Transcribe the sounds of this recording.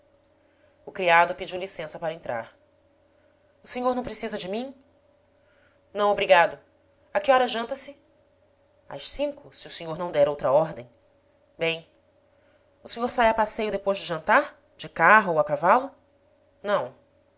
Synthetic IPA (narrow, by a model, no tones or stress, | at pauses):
ʊkɾiad̪ʊpid͡ʒiwlisẽsɐpaɾɐẽnt̪ɾa̰ɾ | ʊseɲoɾnɐ̃w̃pɾesizɐd͡ʒɪmĩ | nɐ̃w̃obɾiɡad̪ʊ | akɪɔɾɐʒɐ̃nt̪ɐsɪ | ɐ̰ʃsĩŋkʊsiʊseɲoɾnɐ̃w̃d̪ɛɾowt̪ɾɐɔɾd̪ẽj̃ | bẽj̃ | ʊsẽɲoɾsajɐpasejʊd̪epojʒd͡ʒɪʒɐ̃nt̪aɾ | d͡ʒɪkaɦowakavalʊ | nɐ̃w̃